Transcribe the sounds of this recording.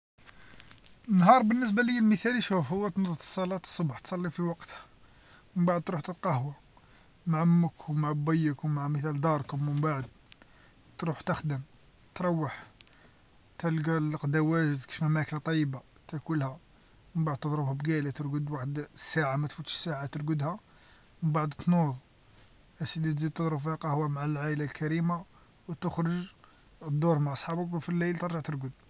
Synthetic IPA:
ənːɦɑɾˤbənːəs̬bæləjːælməθæliʃufhʊwːæt̪nd̪ˤt̪ə̥sˤːɑlɑt̪ə̥sˤːobħt̪sˤɑlːifiwɑqt̪hæ̥ | məmbaʕəd̪̚t̪ɾuħt̪əlqɑhwa | maʕmːəkwmaʕbæjːəkwmaʕməθæld̪ɑɾˤkʊmməmbaʕəd̪̚ | t̪ɾuħt̪əxd̪əm | t̪ɾˤɑwːəħ | t̪ælɡæləqd̪æwæʒəzkə̥ʃmæmæklat̪ˤɑjːəba | t̪ækulhæ | məmbaʕd̪̚t̪ːəd̪ˤɾəbhæbɡælæt̪əɾɡəd̪waħəd̪sːaʕamæt̪fut̪ʃə̥sːaʕat̪əɾɡəd̪hæ | məmbaʕd̪t̪nuðˤ | ʔæsid̪it̪zid̪̚t̪əd̪ˤɾʊbfihaqɑhwæmaʕalʕailalkæɾima | wt̪əxɾəʒ | əd̪ˤːuɾˤmaʕʔɑsˤħɑbəkfilːæjlt̪əɾˤʒəʕt̪əɾɡəd̪̚

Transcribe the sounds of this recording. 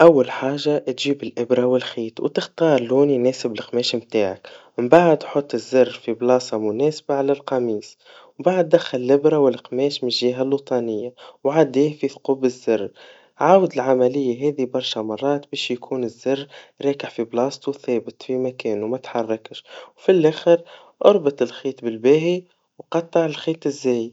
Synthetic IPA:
ʔæwːalħaːʒat̪ʒiːbɪlʔɪbɾˤɑwɪlxiːt̪wt̪ɪxt̪ɑːɾˤluːnjnɛːsɪbɪlqmɛːʃmt̪aːʕakmɪmbaʕd̪ħot̪ˤːɪzːɪrːfiblɑːsɑmʊnɛːsbaʕalælqɑmiːs | mbaʕd̪̚ːæxːalɪlʔɪbɾɑwɪlqmɛːʃmɪʒːiːɦalːut̪ˤɑnɪjːawʕad̪iːhfiθquːbɪzːɪrː | ʕaːwəd̪ɪlʕamælɪjːaɦɛːðibɑɾˤʃæmɑrˤːɑːt̪bɛːʃjakʰuːnɪzːɪrːɾˤɑːkəʕfiblɑːst̪uθɛːbɪt̪fimækɛːnuwmæt̪ħɑrˤːɑkʃwfilʔæːxəɾ | ʔɑɾˤbɪt̪ˤɪlxiːt̪bɪlbæːɦi | wqɑt̪ˤːɑʕɪlxiːt̪ˤɪzːɛːj

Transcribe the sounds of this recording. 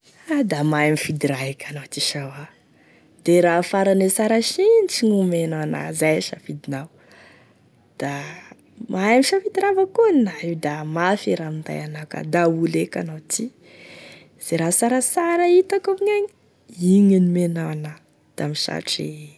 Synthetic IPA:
ad̪amaamifid̪iɾaikʲanawt̪iʃawa | d̪̥eɾafaɾanesaɾaʃinʈ͡ʂiŋumenawana̰zajʃafid̪inaw | d̪̥a | mʔaamiʃafid̪iɾavakuninaiwd̪amafiɾamind̪a̰janawka̰d̪auleka̰nawt̪i | z̥eɾasaɾasaɾait̪akaɲaɲi | iɲinimenawana | d̪̥amiʃa̰ʈ͡ʂḛ

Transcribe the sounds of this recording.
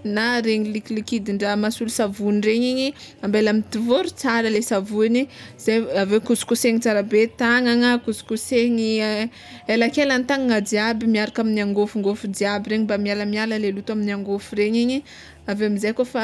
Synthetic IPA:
naɾeɲilikilikid̪iɳɖ͡ʐəmasulusavunireɲeɲiambelamit̪ivoɾut͡saɾəlesavuniz̥ajavekusu̥kuseŋit͡saɾabet̪aŋaŋakuzu̥kuseɲi | elakelant̪aŋŋadiabimiaɾakaminaŋɡofuŋɡofud̪iabiɾeɲibamialəmialəlelut̪aminaŋɡofuɾeɲeɲi | aveamizajkofa

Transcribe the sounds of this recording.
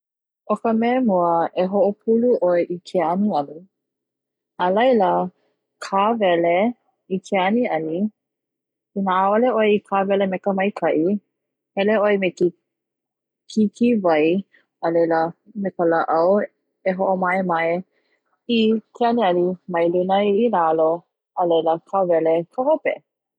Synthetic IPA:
ʔokəmɛːmuəeɦoʔopʰuluʔoeʔikʰeɐniɐli | əlɐjlə | kʰavɛle | ikʰeɐniɐli | inəaoleʔojikʰavɛlemɛkəmɐjkʰɐʔi | hɛleoemeki | kʰikʰivɐj | əlejləmekələʔɐw | eɦoʔomɐemɐe | ikʰeɐniɐnimɐjlunəjilalo | əlejləkʰavɛlekʰəhopḛ

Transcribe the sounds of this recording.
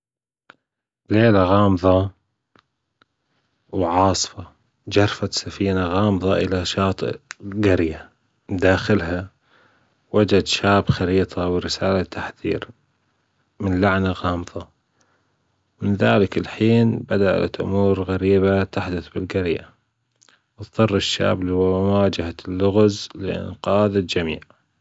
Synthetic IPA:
leːlaɣɑːmðˤɑ | wʕɑːsˤfɑ | d͡ʒɑɾˤfat̪safiːnaɣɑːmðˤɑʔɪlaʃɑːt̪ˤɡaɾja | d̪aːxɪlɦa | wad͡ʒad̪ʃaːbxaɾiːt̪ˤʰɑwɪɾɪsaːlat̪ʰːaħθḭːɾ | mɪnlaʕnaɣɑːmðˤɑ | mɪnðaːlɪkɪlħiːnbad̪aʔa̰t̪ʔʊ̰muːɾɣaɾiːbat̪aħd̪ʊθbɪlɡaɾja | wt̪ðˤɨrˤːɪʃːa̰ːblwawaːd͡ʒahalːʊɣzlɪ̰ʔɪ̰nqɑːðad͡ʒamḭːʕ

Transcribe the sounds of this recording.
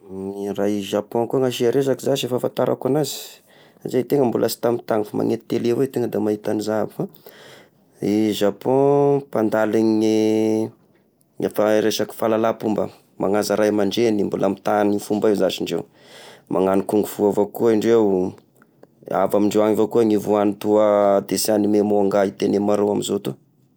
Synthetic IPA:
iɾaiʒapɔ̃kuaŋaʃiaɾʔes̬akizaʃefafant̪aɾʔa̰kanazi̥ | azejt̪eŋəmbulʔasi̥t̪amit̪aŋifama̰ŋet̪i̥t̪elevet̪eŋəd̪amaɦit̪anizaba | iʒapɔ̃pand̪aliŋi | ŋafaɾeʃaki̥falalapumbə̰ | mʔa̰ŋazaɾajmaɳɖ͡ʐenimbulʔamit̪anifumbaezaʃiɳɖ͡ʐew | mʔa̰ŋanikuŋɡuv̥uavokuəiɳɖ͡ʐew | a̰vamiɳɖ͡ʐewaŋivokuəŋivuanit̪uəd̪esianimemoaŋɡait̪enemaɾoamizot̪u

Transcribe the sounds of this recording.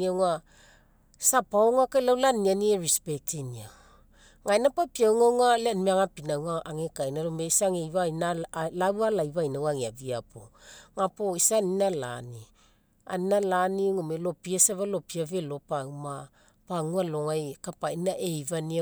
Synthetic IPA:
iaŋa | sapaoŋakalawlanianieɾispek̚tinia | ŋajnapapiawŋawŋaleanmeaŋapinawŋaʔaŋekajnaɾomeisaŋejβanalawalajβajnawaŋeaviapo̰ŋapoisaninala̰ni | a̰ninalaniŋomelo̞piasaβalo̞piave̞lo̞pauma | paŋualo̞ŋajkapainaʔejvani

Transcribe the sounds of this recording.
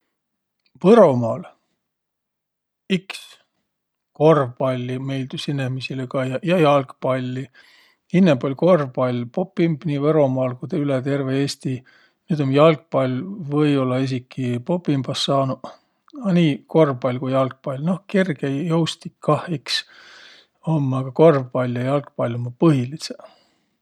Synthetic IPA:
vɤɾo̞mɑːl | iks | ko̞rvbɑlʲːime̞jld̪usinːemisilekɑjɑjɑjɑlkpɑlʲːi | inːebolʲko̞rvbɑlʲpo̞pːimbniːvɤɾo̞mɑːlkud̪eylet̪e̞rveeːst̪i | nyːd̪omjɑlk̚pɑlʲvɤjo̞lːɑis̬ikːˑipo̞pːˑimb̥ɑsːɑːnu | ɑniːko̞rvpɑjlʲkujɑlk̚pɑlʲno̞hkerɡ̥ejowst̪ikkːɑhiks | omːɑɡ̥ɑko̞rvpɑlʲjɑjɑlkpɑlʲomːɑpɤɦilise

